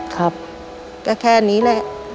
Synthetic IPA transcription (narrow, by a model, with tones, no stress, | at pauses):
kʰɾa˦˥p̚ | ka˧˩kʰɛː˧˨niː˦˥lɛ˧˩ʔ